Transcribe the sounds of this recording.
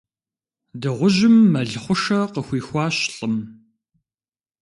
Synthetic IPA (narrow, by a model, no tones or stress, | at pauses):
dɨʁʷʊʑɪmːɐɮχʷʊʂɐqəxʷiːxʷɑːɕɬʼəm